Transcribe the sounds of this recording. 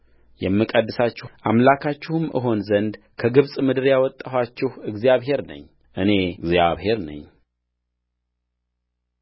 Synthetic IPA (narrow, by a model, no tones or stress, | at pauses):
jɛmːɨkʼəd̪ːɨsat͡ʃːɪʔamlakʰat͡ʃːɪhumʔɨ̰ɦo̞nzənd̪ | kʰəɡɨβsʼmɨd̪ɨɾjawɔt̪ʼːahat͡ʃːɪhɨɡzijaβɦe̞ɾnə̰ɲː | ʔɨne̞ɨɡzjaβhe̞ɾnə̰ɲː